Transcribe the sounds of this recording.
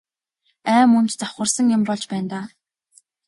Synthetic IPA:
æːmɵnt̪t͡sɔχə̆rsə̆ŋjʊmpɔɮt͡ɕpæːnt̪aː

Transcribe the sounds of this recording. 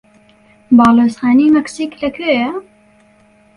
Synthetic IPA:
bɑːloːsxaːniːmɛksiːklɐkʰøːjɛ

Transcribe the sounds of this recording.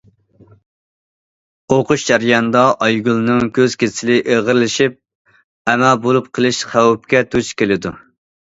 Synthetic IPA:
oqʊʃd͡ʒæɾjɑnɨd̪ɑʔɑjɡʲulˠnɨŋkʲʰøz̥kʲesɪlɪʔeʁəɾlɪʃip̚ | ɛmælbolˠup̚qʰəlˠɨʃχæwp̚kʲɛt̪ʰut͡ʃkʲelɪd̪ṵ

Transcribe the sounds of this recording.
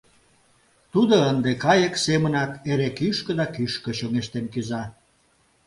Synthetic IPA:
t̪ud̪oənd̪ekɑjəksemə̆nɑt̪eɾekyʃkə̆d̪ɑkyʃkə̆ɕoŋeʃt̪enkyzɑ

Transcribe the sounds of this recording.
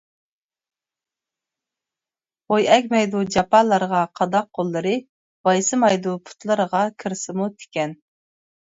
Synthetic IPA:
ojɛkʲmɛjd̪ud͡ʒɑpɑlˠɑɾʁɑqʰɑd̪ɑq̚ʰːolˠːɨɾɨ | bɑjsɨmɑjd̪upʰu̥t̪lˠɨɾəʁɑkʲʰɨɾsɪmut̪ʰɪ̥kʲɛn

